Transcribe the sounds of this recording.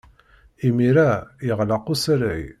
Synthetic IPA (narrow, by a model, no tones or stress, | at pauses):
imiɾæjəʁlɑqusəɾəj